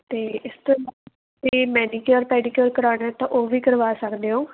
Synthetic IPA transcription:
t̪eːɪst̪õːla | siːmɛːniːkjəːɾpɛːɖiːkjoːɾkəɾaːneɛːt̪ãːʔoːʋiːkəɾʋaːsəkd̪eːɦõː

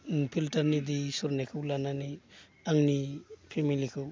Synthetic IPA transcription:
pʰiltaɾnidisuɾnekʰɯwlanani | aŋnipʰemilikʰɯw

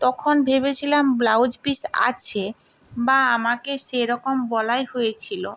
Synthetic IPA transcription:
t̪ɔkʰonbʱeβet͡ɕʰilamblawd͡ʑpisa̰t͡ɕʰe | baamakeʃeɾɔkombɔlajɦojet͡ɕʰilo

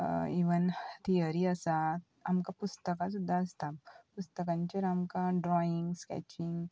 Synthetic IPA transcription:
iʋənt̪ijəɾiəsa | amkapust̪əkas̬ud̪ʱːaəst̪apust̪əkãɲt͡ɕaɾamkãɖɾɔiŋɡskɛ̰t͡ɕiŋɡ

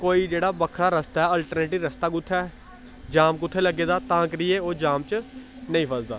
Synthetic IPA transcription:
koːiːd͡ʒeːɽaːbəkʰɾaːɾəst̪aːɛːəlʈəɾneːʈiːɾəst̪aːɡʊt̪ʰːɛː | d͡ʒaːmkʊt̪ʰːeləɡeːd̪aːt̪ãːkɾieːoːd͡ʒaːmt͡ʃ | nəĩpʰəzd̪a̰ː

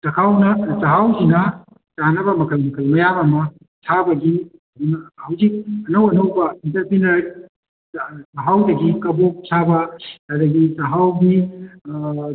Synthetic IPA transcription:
tɐkʰawnɐt͡ʃɐɦawzinɐ | t͡ʃanɐbɐmɐkʰɐlmɐkʰɐlmɐjabɐmɐ | sʰabɐɡiɐdunɐhɐwzik̚ɐnɐwɐnɐwbɐintɐɾpɾinɐɾ | t͡ʃɐɦawdɐɡikɐbok̚sʰabɐɐdɐɡit͡ʃɐɦawɡi

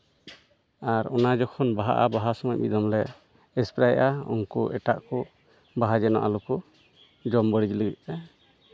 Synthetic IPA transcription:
aɾɔnad͡ʒɔkʰɔnbaɦa̰ʔa̰baɦasɔmɔj̚bid̪ɔmlɛ | ɛspɾajʔaɔ̰ŋkɔʔɛʈaʔkɔ | baɦad͡ʒɛna̰ʔalukɔ | d͡ʒɔmbəɽid͡ʒləɡit̪̚ˀɛ

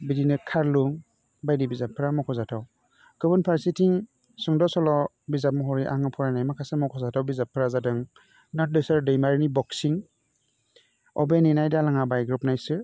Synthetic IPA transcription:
bidinɯkʰaɾluŋ | bajdibizapʰːɯɾamɔkʰɔzatʰaw | kɯbɯnpʰaɾsitʰiŋ | sɔŋdɔsɔlɔ | bizap̚mɔɦɔɾiʔa̰ŋɯpʰɔɾanajmakʰasemɔkʰɔzatʰawbizapʰːɯɾazadɯŋ | nɔt̚dɯsaɾdɯjmaɾnibɔksiŋ | ɔ̰beninajdalaŋabajɡɾup̚najsɯ

